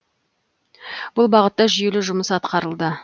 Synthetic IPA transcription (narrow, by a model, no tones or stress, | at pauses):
b̥ʊlˠbɑʁət̪ːɑʒʏje̞lɪʒʊməsɑt̪qɑɾəlˠd̪ə